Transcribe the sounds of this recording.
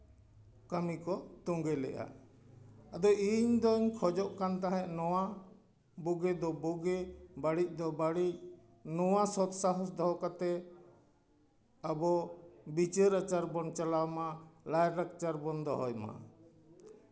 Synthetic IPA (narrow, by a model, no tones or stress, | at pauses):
kamikɔt̪uŋɡɛlɛ̰ʔa̰ | ad̪ɔiɲd̪ɔɲkʰɔd͡ʒɔʔkant̪ãɦɛ̃ʔnɔwa | buɡɛd̪ɔbɔɡɛbaɽic̚ˀd̪ɔbaɽic̚ | nɔwasɔt̪saɦɔsd̪ɔɦɔkat̪ɛ | abɔbit͡ʃeɾət͡ʃaɾbɔnt͡ʃalawmalajɾakt͡ʃaɾbɔnd̪ʱɔɦɔjma̰